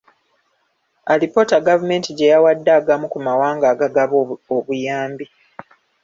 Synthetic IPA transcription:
alipo̞ːtaɡavume̞ːntiɟe̞jawadːaːɡamukumawaːŋɡaːɡaɡaβoβujaːmbi

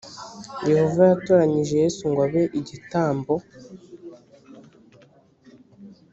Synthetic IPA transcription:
je̞ho̞vajatoːɾaɲiʒejeːsuŋɡwaβe̞ʔiɟitaːmbo̞

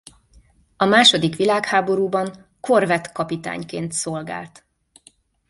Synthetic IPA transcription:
ɒmaːʃo̞d̪ikʋilaːkhaːbo̞ɾuːbɒŋ | ko̞rvɛt̪kɒpit̪a̰ːɲkeːnt̪so̞lɡa̰ːlt̪

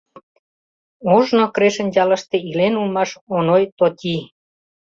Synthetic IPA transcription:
oʒnokɾeʃə̆nʲd͡ʑɑlə̆ʃt̪eilenulmɑʃonojt̪ot̪ʲi

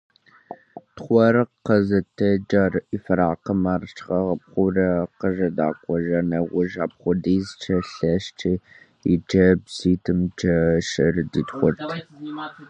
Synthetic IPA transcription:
tχʷɔɾɨqːɐzɨtʰɐd͡ʒɐrʔifɐɾaːqəmart͡ʃʰʼʁɐʁɐpχʷʊrɐqəʒɐda̰ːkʷɔʒɐnɐʁʷʊʒaːp̚χʷʊdiːzt͡ʃʰɐɬɐʃt͡ʃʰi | ḭd͡ʒɐbsiːtʰɨmd͡ʒɐʃɪrditχʷʊrtʰ

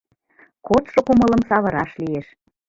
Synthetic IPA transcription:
kot̪ʃokumələ̆msɑβɤ̆ɾɑʃlijeʃ

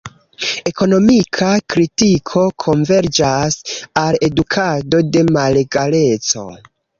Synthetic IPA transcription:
eko̞no̞mikʰakɾitikʰo̞kʰo̞ɱve̞ɾd͡ʒasale̞dukʰado̞de̞male̞ɡale̞t͡so̞̰

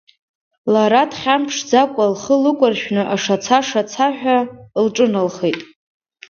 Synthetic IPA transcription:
laɾatʰχʲampʰʂd͡zakʷʼalχəlɨkʷʼʊrʃᶣnɨʔaʂat͡sʰaʂat͡sʰaħᶣalʈ͡ʂʼɨnalχejtʼ

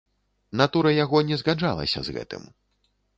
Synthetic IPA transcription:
nat̪uɾɐjaɣɔnʲɛzɣad͡ʐʐa̰lˠɐ̰sʲɐ̰zɣɛ̰t̪ɨ̰m

